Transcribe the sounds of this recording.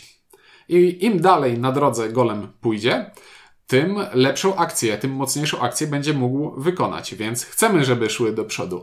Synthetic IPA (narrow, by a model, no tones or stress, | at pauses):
ʔiimd̪alɛjnad̪ɾɔd̪zɛɡɔlɛmpujd͡ʑɛ | t̪ɘmlɛpʂɔ̃w̃ʔakt̪sʲjɛt̪ɘmːɔt̪sɲejʂɔ̃w̃ʔakt̪sʲjɛbɛɲd͡ʑɛmuɡwvɘkɔna̰t͡ɕvʲjɛnt̪sxt̪sɛmɘʐɛbɘʂwɘd̪ɔpʂɔ̰d̪u